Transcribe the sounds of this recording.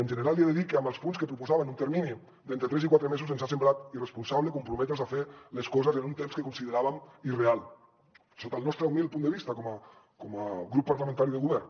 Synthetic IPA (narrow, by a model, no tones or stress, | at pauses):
ənʒəneɾalˠieðeðikːeambəlˠspunskəpɾupuzaβanunt̪əɾmini | d̪ent̪ɾət̪ɾɛzikwat̪ɾəmezuzenzasemblat̪irespunsaβlekumpɾumɛt̪ɾezafeleskɔzezenunt̪emskəkunsiðeɾaβamirealˠ | sot̪alnɔst̪ɾeumilˠpund̪əβist̪akɔma | kɔmaɣɾupːaɾlamẽnt̪aɾiðeɣuβɛɾn